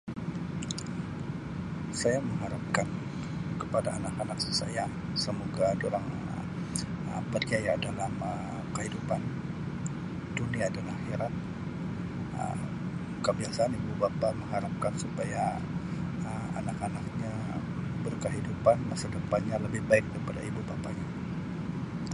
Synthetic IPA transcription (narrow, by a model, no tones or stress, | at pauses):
sajaməŋɦaɾap̚kan | kəpadaːnakanak̚si̥sa̰ja | səmoɡadoɾaŋə | ə̰pərt͡ʃajadalamə | kəɦidupan | duniaːdalahhiɾat̪̚ | ə̰ | kəbiasaːnibubapaməŋɦaɾap̚kansupaja | əma̰nakanak̚ɲa | bərkəɦidupanmasidəpaɲaləbɪhbaɪk̚daɾipada̰ibubapaɲa